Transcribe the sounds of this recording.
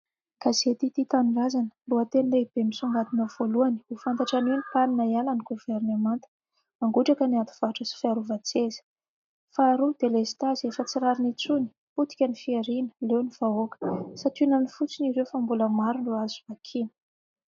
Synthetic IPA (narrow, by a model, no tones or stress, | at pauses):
ɡ̥azet̪it̪it̪anirazanə̥luət̪enleib̥emisuŋɡat̪inəv̥oluani̥ufant̪aʈ͡ʂaninipaninaialaniɡuveɾnemant̪ə̥ | aŋɡuʈ͡ʂakəniant̪u̥v̥aʈ͡ʂəsi̥fiaɾuvat͡sezə̥ | faːɾud̪̥elesi̥t̪azefət͡siɾaɾinit͡suni̥ | put̪i̥kʲənifieɾinə̥lewniv̥aokə̥sat̪inənifut͡siniɾewfambuləmaɾunruazumakʰinə̥